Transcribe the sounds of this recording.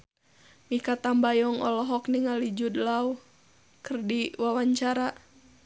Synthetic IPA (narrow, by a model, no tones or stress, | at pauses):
mikat̪ambajɔŋɔ̰lɔɦɔkniŋalid͡ʒud̪lau | kərdiwawaɲt͡ʃaɾa